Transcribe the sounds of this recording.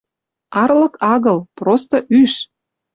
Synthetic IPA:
ɑrlə̆kɑɣɤ̆lprost̪ɤʔyʃ

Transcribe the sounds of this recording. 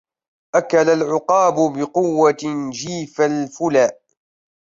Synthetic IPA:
ʔakalalʕʊqɑːbʊbɪqʊwːand͡ʒiːfalfʊlaːʔ

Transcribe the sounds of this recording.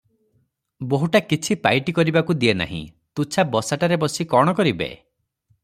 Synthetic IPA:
boɦuʈakit͡ʃʰipa̰jʈikɔɾibakud̪iena̰ɦḭ̃ | t̪ut͡ʃʰabɔsaʈaɾebɔsikɔɽ̃ɔkɔɾibḛ

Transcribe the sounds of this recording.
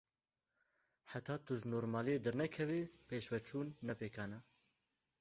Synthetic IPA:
ħat̪ʰɑːt̪uʒnoːɾmaːlijed̪ɨɾnɛkʰɛvipeːʃvɛt͡ʃʰuːnːɛpeːkʰɑːnɛ

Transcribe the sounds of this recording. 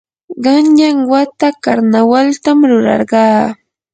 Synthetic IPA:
ɢɑnʎaŋwat̪akaɾnawalt̪amɾʊɾɑ̰ɾɢɑː

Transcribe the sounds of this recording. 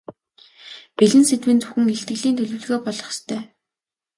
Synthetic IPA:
piɮɘ̆nset̪wɘ̆nt͡suxɘ̆ŋeɬt̪ɡɘ̆ɮiːnt̪ʰɵɮɵ̆wɮɣoːpɔɮɞ̆χst̪ʰœː

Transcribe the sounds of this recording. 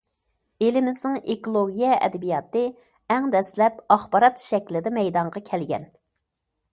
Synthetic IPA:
elɪmɪznɪŋekolˠoɡʲijɛʔɛ̰d̪ɪbijɑt̪ɨ | æŋd̪ɛslɛpɑχbɑɾɑt̪ʃɛkʲlɪd̪ɛmɛjd̪ɑɴʁɑkʲʰɛlɡʲɛ̰n

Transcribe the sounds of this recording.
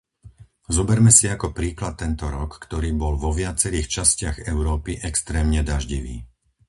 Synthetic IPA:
zɔbɛɾmɛsiakɔpɾiːklat̪ːɛnt̪ɔɾɔkːt̪ɔɾiːbɔlʋɔʋɪat͡sɛɾiːxt͡ʃascɪaɣɛʊɾɔːpiʔɛkst̪ɾɛːmɲɛd̪aʒɟiʋḭː

